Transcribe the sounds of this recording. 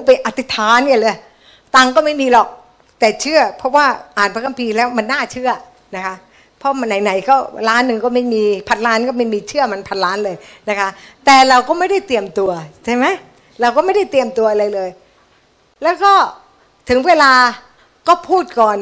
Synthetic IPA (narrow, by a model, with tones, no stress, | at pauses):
p̬a˧jʔa˨˧t̪ʰi˦˥t̪ʰaː˨˦nːi˥˩˨lɤː˧j | t̪aː˧ŋkɔː˥˩ma˥˩jmiː˧lɔ˨˩k̚ | t̪ɛː˨˩t͡ɕʰɯ˥˩ɐpʰɔ˦˥waː˥˩ʔaː˨˩npʰa˦˥ka˧mpʰiː˧lɛː˦˥wma˧nːaː˥˩t͡ɕʰɯ˥˩ɐ | na˦˥kʰa˦˥ | pʰɔ˦˥m˧nːa˧˩jna˩˦jkɔː˥˩ɾaː˦˥nːɯ˨˩ŋkɔː˥˩ma˥˩jmiː˧pʰa˧˥t̪̚laː˦˥nkɔː˥˩ma˥˩jmiː˧t͡ɕʰɯ˥˩ɐma˧npʰa˧t̪̚laː˦˥nlɤː˧jna˦˥kʰa˦˥ʔt̪ɛː˨˩ɾa˧wkɔː˥˩ma˥˩jda˥˩jt̪i˧əmt̪u˧ɐt͡ɕʰa˥˩jma˦˥j | ɾa˧wkɔː˥˩ma˥˩jda˥˩jt̪i˧əmt̪u˧ɐʔa˧ɾa˧jlɤː˧j | lɛː˦˥wkɔː˥˩ | t̪ʰɯ˩˦ŋweː˧laː˧ | kɔː˥˩pʰuː˥˩t̪̚kɔː˨˩n